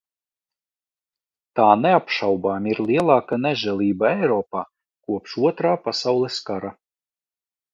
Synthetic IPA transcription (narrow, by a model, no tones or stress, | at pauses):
t̪aːneapʃawbaːmʲiɾlˠiɛlˠɑːkanɛʒɛlˠiːbaɛjɾɔːpaː | kuɔpʃuɔt̪ɾaːpasawlˠɛskaɾa